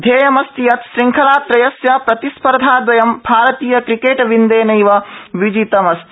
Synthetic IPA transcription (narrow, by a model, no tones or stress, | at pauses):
d̪ʱeːjɐmɐst̪ijɐt̪ʃɾiŋkʰɐlaːt̪ɾɐjɐsjɐpɾɐt̪ispɐɾd̪ʱaːd̪ʋɐjɐmbʱaːɾɐt̪iːjɐkɾikeːʈʋind̪eːnɐjʋɐʋid͡ʒit̪ɐmɐst̪i̥